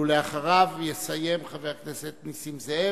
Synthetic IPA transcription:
uleaχaʁavjesaje̞mχaveʁkneset̪nisimzee

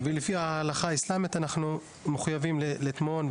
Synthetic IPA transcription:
velifihaːlaχaislamit̪anaχnu | meχujavimllit̪mo̞n

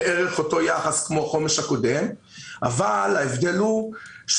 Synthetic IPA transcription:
ʔeʁeχo̞to̞jaχaskmo̞χo̞me̞ʃhako̞dem | ʔavalaevd̪eluʃ

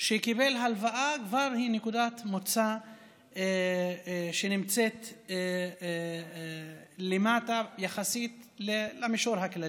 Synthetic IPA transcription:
ʃekibe̞lɦalvaʔakvaʁhinekud̪at̪mot͡sa | ʃenimt͡set̪ | lemat̪ajaχasit̪ | lelameʃoɾhaklai

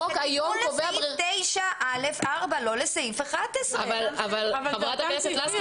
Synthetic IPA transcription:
okajomloveabt̪ejʃaʔalefaʁbalo̞lesajifeχad̪̚esavalavalvaavʁataknesetlas

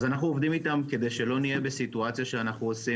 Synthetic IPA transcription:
zanaχnuovd̪imit̪amke̞d̪e̞jʃe̞lo̞nije̞besituat͡sjaʃeanaχnuosi

